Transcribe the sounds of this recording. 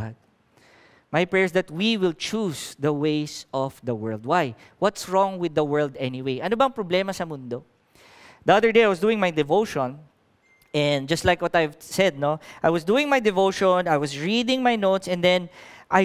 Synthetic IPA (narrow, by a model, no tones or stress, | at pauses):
d̪̚ | majpɹɛɹsd̪ɐt̪̚wiwɪlt͡ʃusd̪ɐwejsʔɔvd̪ɐwɜ˞ld̪̚waj | wʌt̪sɹɔ̃ŋwɪd̪ːɐwɜ˞ld̪ɛniwejʔɐnobɐŋpɹɔblɛmɐsɐmʊnd̪o | d̪iɐðə˞d̪ejajwɔs̬d̪uːɪ̃ŋmajd̪ɛvoʊʃɔ̃n | ɛ̃nd͡ʒɐst̪lajkwɔt̪ajvsɛd̪̚noʔajwɔsd̪uːɪ̃ŋmajd̪ɛvoʃɔnajwɐsɹid̪ɪ̃ŋmajnoʊt̪sɛ̃nd̪ɛ̃nʔaj